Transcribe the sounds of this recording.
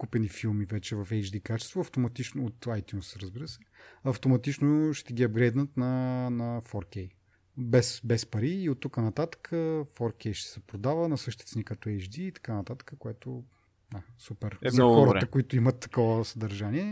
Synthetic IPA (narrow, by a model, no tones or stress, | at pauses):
kupɛnifilˠmivɛt͡ʃɛvɐfɛjd͡ʒd̪ikat͡ʃɛst̪vʊɐft̪omɐt̪it͡ʃnoot̪ajt̪ʲjunsɾəzbiɾəsɛɐft̪omɐt̪it͡ʃnoʃt̪ɛɡʲiɐbɡɾɛjd̪nət̪nɐnɐfɔɾkɛj | bɛsbɛspɐɾiːot̪ːukənɐt̪at̪ə̥kʰəfɔɾkɛjʃt̪ɛ̥sɛpɾod̪avənɐsɤʃt̪it̪ɛt̪ɛnikɐt̪ɔɛjt͡ʃd̪iːt̪ɐ̥kanɐt̪at̪ə̥kəkoɛt̪o | d̪asupɛɾɛzɐxɔɾət̪əkoit̪ʊimɐt̪ːɐ̥kɔvəsəd̪ɐɾʒaniɛ